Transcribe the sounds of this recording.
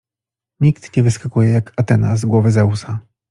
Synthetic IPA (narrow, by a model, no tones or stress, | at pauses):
ɲikt̪ɲɛvɘskakujɛjakʰat̪ɛnazɡwɔvɘzɛusa